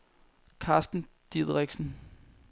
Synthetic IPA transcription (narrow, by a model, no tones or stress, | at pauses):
kʰɑ̈ːsd̥n̩ | d̥iðˠʁɛɡ̥sn̩